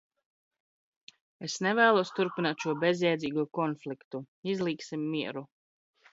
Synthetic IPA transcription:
esnevæːlˠuɔst̪uɾpinaːt̪ʃuɔbezjɛjd̪zʲiːɡuɔkɔnflikt̪u | izlˠiːksimːiɛɾu

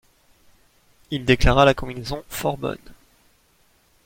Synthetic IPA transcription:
ild̪eklaʁalakɔ̃minezɔ̃fɔʁbɔ̰n

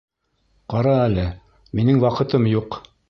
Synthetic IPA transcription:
qɑɾɑælɘ | minɘŋwɑqɤ̆t̪ɤmjuq

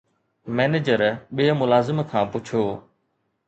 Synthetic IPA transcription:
mɛːneːd͡ʑəɾɓiːmʊlaːzɪmkʰãːpʊt͡ɕʰoː

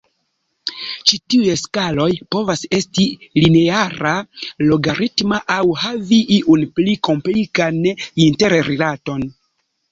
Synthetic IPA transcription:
t͡ʃitiujeskalo̞jpo̞vase̞stilineaɾalo̞ɡaɾitmaʔawhaviʔiʔunpliko̞mplikaninte̞ɾɾilato̞n

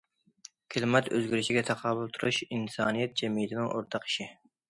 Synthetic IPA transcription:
kʲʰɪlˠmɛt̪ø̰zɡʲyɾɪʃiɡʲɛt̪ʰɑqʰɑːlulˠt̪ʰuɾuʃinsɑːnijɛt̪̚d͡ʒɛmijɪt̪ʰɪnɪŋʔoɾt̪ʰɑqi̥ʃi

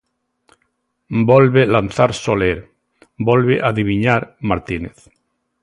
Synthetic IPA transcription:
bolβelanθaɾsoleɾ | bolβeʔaðiβiɲaɾmaɾt̪ineθ

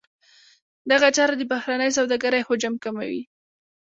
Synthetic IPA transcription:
d̪aɣat͡ʃɑɾad̪əbahɾanəjs̬awd̪aɡaɾajhod͡ʒamkama̰wḭ

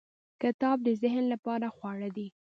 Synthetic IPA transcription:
kɪt̪ɑb̚d̪əzɪhnlapɑɾaxwɑɽad̪i

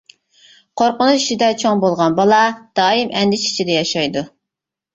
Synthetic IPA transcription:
qʰoɾqʊnut͡ʃi̥ʃid̪ɛt͡ʃʰoŋbolˠʁɑnbɑlˠɑd̪̥ɑːimʔɛnd̪ɪt͡ʃi̥t͡ʃʰid̪ɛjɑʃɑjd̪u

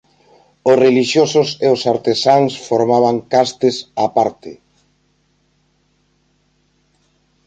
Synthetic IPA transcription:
ʊsreliʃjosʊseosaɾt̪esaŋsfoɾmaβ̞aŋkast̪ɪsapaɾt̪ɪ

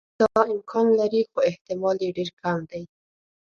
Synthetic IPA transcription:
d̪̥ɑɪmkʰɑnlaɾixoɪht̪ɪmɑljeɖeɾkʰamd̪aj

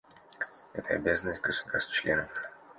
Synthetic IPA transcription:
ɛt̪ʰəɐ̰bʲazənːəsʲtʲɡəsʊd̪arst̪t͡ɕlʲenəf

